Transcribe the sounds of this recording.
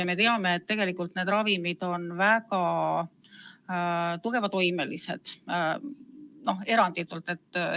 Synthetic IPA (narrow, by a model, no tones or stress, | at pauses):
ɑme̞t̪e̞ɑme̞ːt̪ːe̞ɡ̥e̞likːˑult̪ned̪̥ɾɑvimid̪̥o̞nvækɑ | t̪uɡ̥e̞vɑt̪o̞jme̞lise̞̰d̪̥ | no̞he̞ɾɑnd̪it̪ːˑult̪ːˑe̞t̪ːˑ